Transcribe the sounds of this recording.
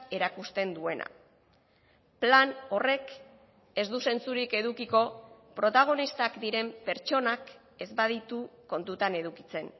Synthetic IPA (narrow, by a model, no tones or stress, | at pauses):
e̞ɾakust̪e̞nd̪ue̞nʔa̰ | plano̞re̞k | e̞zd̪use̞nt͡suɾike̞ðukiko̞pɾo̞t̪aɣ̞o̞nist̪akd̪iɾe̞mpe̞ɾt͡ʃo̞nak | e̞zbaðit̪uko̞nt̪ut̪ane̞ðukit͡se̞n